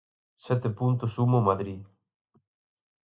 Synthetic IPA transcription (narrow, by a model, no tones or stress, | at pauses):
sɛt̪epunt̪osumomaðɾi